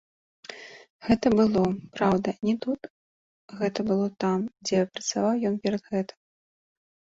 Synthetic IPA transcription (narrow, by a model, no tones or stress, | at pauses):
ɣɛt̪ɐbɨlˠɔpɾawd̪ɐnʲɛt̪ut̪ | ɣɛt̪ɐbɨlˠɔt̪amd͡zʲɛpɾɐt̪savawjɔnpʲɛɾɐd̪ɣɛt̪ɨ̥m